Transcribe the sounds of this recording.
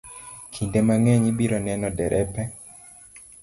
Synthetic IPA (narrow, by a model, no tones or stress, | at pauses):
kʰindemaŋɛɲibiɾɔnɛnɔdɛɾʔɛpɛ